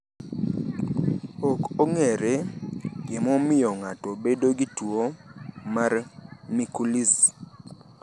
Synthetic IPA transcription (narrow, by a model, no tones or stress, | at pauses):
okoŋɛɾɛɡɪmɔmɪjɔŋatɔbedoɡituomarmikuliz